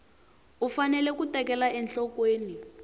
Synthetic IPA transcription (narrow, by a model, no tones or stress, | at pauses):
ufanɛlɛk̬utɛkɛlaɛnɬɔkweːni